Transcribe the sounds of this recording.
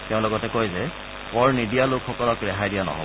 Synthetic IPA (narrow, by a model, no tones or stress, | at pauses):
teʊ̃lɔɡɔtɛkojzɛ | pɔɹnidijalʊkʰːɔkɔlɔkɹɛxajdijanɔ̰ɦɔ̰bɔ